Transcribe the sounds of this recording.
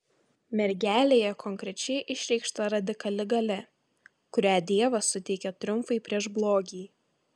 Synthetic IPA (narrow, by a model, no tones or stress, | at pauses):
mʲɛɾʲɡʲæːlʲeːjɛkɔŋʲkɾʲɛt͡ʃʲɛɪʔɪʃʲɾʲɛɪkʃt̪ɐɾɐd̪ʲɪkɐlʲɪɡɐlʲɛ | kʊɾʲæːd̪ʲiɛʋɐsʊt̪ʲɛɪkʲɛt̪ɾʲʊmfɐɪpʲɾʲiɛʒblˠoːɡʲiː